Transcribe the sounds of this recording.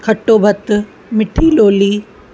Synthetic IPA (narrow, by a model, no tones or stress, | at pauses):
kʰɐʈːoːbʱɐt̪ | mɪʈʰiːloːliː